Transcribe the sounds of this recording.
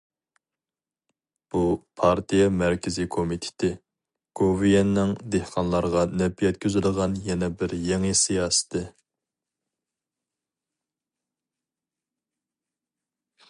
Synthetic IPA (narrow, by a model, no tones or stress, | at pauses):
b̥upʰɑɾt̪ʰijɛmæɾkʲɪzikʰomit̪ʰɪ̥t̪ʰɪ | ɡ̥ovijɛnːɪŋd̪ehqʰɑnlˠɑɾʁɑnɛpijɛt̪kʲʰøzɪləʁɑnjɛnɛbɪɾjɛŋɨsijɑːsɪ̥t̪ʰɪ